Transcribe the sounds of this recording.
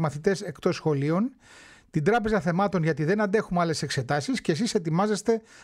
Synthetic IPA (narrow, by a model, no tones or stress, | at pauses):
mɐθit̪e̞se̞kt̪o̞sxo̞lio̞n | t̪ind̪ɾɐpe̞zɐθe̞mɐt̪o̞nʝɐt̪iðe̞nɐnd̪e̞xumɐle̞se̞kse̞t̪ɐsiscesise̞t̪imɐzest̪e̞